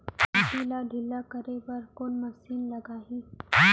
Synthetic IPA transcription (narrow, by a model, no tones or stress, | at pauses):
ɐtiladʱɪlːakəɾepɐɾkoːnmɐsiːnlɐɡaːɦi